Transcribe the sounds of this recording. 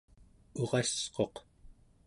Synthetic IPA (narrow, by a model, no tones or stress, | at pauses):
uʁɑsqo̞q